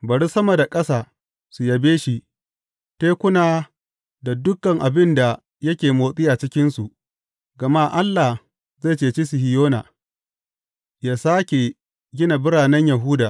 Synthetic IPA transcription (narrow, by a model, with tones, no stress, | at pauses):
bɐ˨ɽi˦sɐ˦mɐ˨da˨kʼɐ˦saː˨ | su˨jɐ˨beː˦ʃi˦ | teː˦kʷʊ˦naː˨ | da˨dʊ˦kːɐ˨ŋʔa˨bɪ˦nda˨ | jɐ˦kʲeː˨moː˨sʼɪ˦ja˨t͡ʃɪ˦kʲɪ˦nsu˨ʔ | ɡɐ˨ma˦ʔa˦lːa˨h | ze˦˨t͡ʃeː˨t͡ʃi˦su˨ɦɪ˨joː˦na̰˨ | jaː˦saː˦kʲe˨ | ɡʲɪ˦na˨bɪ˦ɽaː˨nɛ˦ɲja˨ɦuː˦daː˨